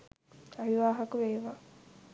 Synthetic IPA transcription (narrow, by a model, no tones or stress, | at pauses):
aʋiʋaːɦɐkuʋeːʋa